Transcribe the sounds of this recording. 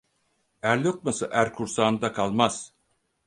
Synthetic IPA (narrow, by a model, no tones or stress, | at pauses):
æɾlʲok̚masɯʔæɾkʰuɾsaːnd̪akʰalˠmaz̥